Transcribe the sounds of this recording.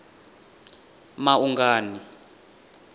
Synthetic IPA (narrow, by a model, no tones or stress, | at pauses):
maʔuŋɡaːni